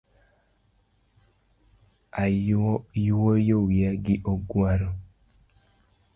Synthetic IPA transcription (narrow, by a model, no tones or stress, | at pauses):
ajuwojowiaɡɪʔoɡwaɾɔ